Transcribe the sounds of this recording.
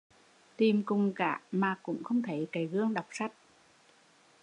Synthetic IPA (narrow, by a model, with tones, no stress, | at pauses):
t̪i˨˩mkʊ˨˩ŋ͡mkaː˧˩maː˨˩kʊ̰˧˥ŋ͡mxə˧wŋ͡mt̪ʰə˨˦jka˨˩˦jɣɨ˧əŋɗa˨˩wk͡p̚sa˦˥jk̚